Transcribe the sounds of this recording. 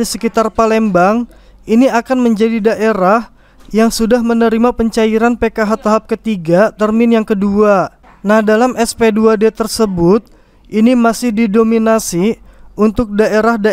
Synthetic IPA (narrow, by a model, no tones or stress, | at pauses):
isəkit̪arpalɛmbaŋ | iniakanməɲd͡ʒadidaʔeɾah | jaŋsudahmənəɾimapəɲt͡ʃaiɾanpekaɦat̪aɦap̚kət̪iɡat̪ərmɪnjaŋkədua | nahdalamʔɛspeduadeɛt̪ərsəbʊt̪̚ | ʔinimasɪhdidominasiunt̪ʊk̚daʔeɾahda